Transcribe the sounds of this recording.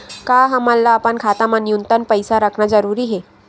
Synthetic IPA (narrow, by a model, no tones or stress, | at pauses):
kaɦəmalːaːpəɳkʰat̪amanjunt̪ənpəjsaɾəkʰnad͡zəɾuɾiːɦe